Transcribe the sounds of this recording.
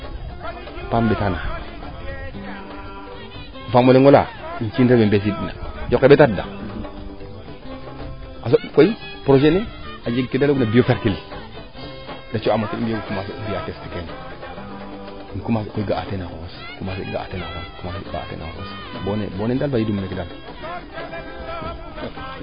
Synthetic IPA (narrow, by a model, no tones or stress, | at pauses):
pambetana | famoleŋɡola̰ | int͡ʃinɾebembes̬iɗina̰d͡ʒokːebetada̰ | asokoi | pɾoʃeniad͡ʒiɡkedaloɡunabiofeɾkil | dat͡ʃoamotinbioɡukumas̬idijatestiken | inkumaskoiɡaatenako̰os | kumasḭɡa̰a̰tenaoskumasɡa̰a̰tḛna̰ko̰wos | bonḛbonedalfajidumːekedal